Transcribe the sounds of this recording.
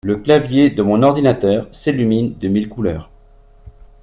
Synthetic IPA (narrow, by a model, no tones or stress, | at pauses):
ləklavjed̪əmɔ̃nɔʁd̪inat̪œːʁselymind̪əmilkulœːʁ